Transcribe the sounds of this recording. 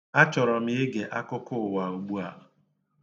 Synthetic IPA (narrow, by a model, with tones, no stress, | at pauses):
a˦t͡ʃɔ˨ɾɔ˨mɪ˦ɪ˦ɡe˨ʔa˦kʊ˦kʊ˦˨wa˨u˨ɡ͡bu˦a̰˨